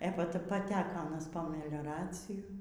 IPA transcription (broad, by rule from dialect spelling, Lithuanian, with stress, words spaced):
eː pɐ pɐˈtʲæːkoː ɐˈnɐs poː mʲɛlʲoːˈrɑːt͡sʲɪjʊ